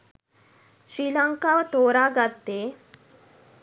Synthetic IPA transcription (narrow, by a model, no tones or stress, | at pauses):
ɕɾiːlaŋkaʋt̪oɾaɡat̪ːe